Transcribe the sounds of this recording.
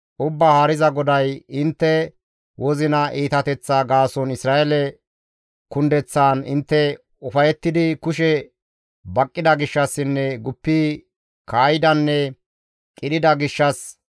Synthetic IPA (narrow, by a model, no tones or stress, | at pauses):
ʔʊbːaːhaːɾɪzɐɡɔd̪ɐjɪnt̪ːɛ | wʔɔzɪnɐʔiːt̪ɐt̪ɛt͡sːaɡaːsɔnɪsɾaːʔɛlɛ | kʊnd̪ɛt͡sːaːnɪnt̪ːɛ | ʊfɐjɛt̪ːɪd̪ɪkʊʃɛ | bɐkʼːɪd̪ɐɡɪʃːɐsːɪnːɛɡʊpːiː | kaːjɪd̪ɐnːɛ | kʼɪd̪ɪd̪ɐɡɪʃːɐs